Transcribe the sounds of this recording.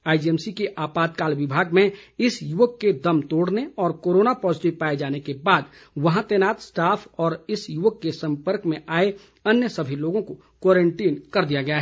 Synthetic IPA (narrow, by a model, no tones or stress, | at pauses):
aːɪd͡ʒiɛːmsikeʔaːpaːt̪kaːlʋɪbʱaːɡmẽɪsjuʋəkːed̪ɐmt̪oːɽneɔːɾkoːɾoːnapɔːzɪʈɪʋpaːed͡ʒaːnekebaːd̪ʋɐɦãt̪ɛːnaːt̪sʈaːpʰɔːɾɪsjuʋəkːesɐ̃mpəɾkmẽʔaːe | ɐnjəsɐbʱiloːɡõko | kwɔːɾẽɳʈiːnkɐɾd̪ijaɡɐjaɦɛ